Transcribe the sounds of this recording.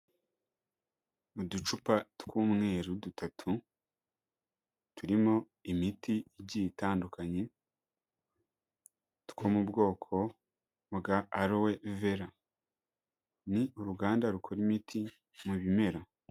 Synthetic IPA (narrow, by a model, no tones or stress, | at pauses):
udut͡ʃupatkuːmŋe̞ːɾudutʰatʰu | tʰuɾimo̞ | imitiɟitaːndukaɲe̞ | tkoːmubɡo̞ːkʰo̞ | βɡaːɾoweve̞ɾa | niuɾuɡaːndaɾukʰo̞ɾimitʰi | muβime̞ɾa